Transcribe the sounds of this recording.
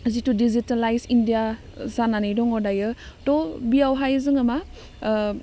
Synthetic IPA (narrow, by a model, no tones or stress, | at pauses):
zitudizitalajsindija | sananɯjdɔŋɔdajɯtɔbijawɦajzɯŋama